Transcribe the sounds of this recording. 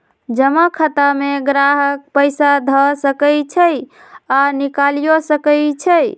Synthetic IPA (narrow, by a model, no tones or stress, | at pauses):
d͡ʒəməkʰət̪ameɡɾaɦək̚pəjsad̪ʱəsəkəjt͡ʃʰəj | anikalijosəkəjt͡ʃʰəj